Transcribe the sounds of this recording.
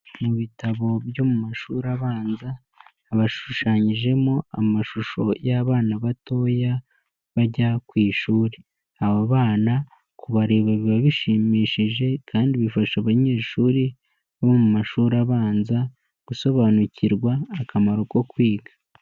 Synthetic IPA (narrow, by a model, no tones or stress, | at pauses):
muβitaβo̞bjo̞mumaʃuːɾaβaːnzaː | βaʃuʃaːɲiʒe̞moamaʃuʃo̞jaβaːnaβato̞ːja | βaɟakwiːʃuːɾe | aβaβaːna | kuβaɾe̞ːβaβiβaβiʃiːmiːʃiʒe̞kʰaːndiβifaʃaβaɲe̞ːʃuːɾi | βomumaʃuːɾaβaːnza | ɡ̥uso̞βanuciɾɡwaːkʰamaɾoko̞kwiːɡḁ